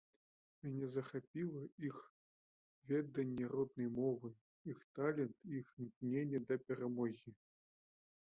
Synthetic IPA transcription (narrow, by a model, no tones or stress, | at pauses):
mʲanʲɛzɐxapʲilˠɐix | vʲɛd̪ɐnʲːɛɾɔd̪nɨjmɔvɨ | ixt̪alʲɛnt̪ixnʲiknʲenʲːɛd̪ɐpʲɛɾamɔɣʲi